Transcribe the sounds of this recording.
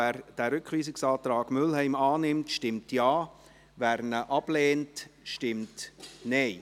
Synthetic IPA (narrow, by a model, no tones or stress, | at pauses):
æːɾd̥æːɾʏkʰʋiːsɪksaːtɾɑːɡ̥mʏlhɛɪmaːnɪmtʃtɪmtjaː | væːɾnəʔɑb̥leːntʃtɪmtnɛɪ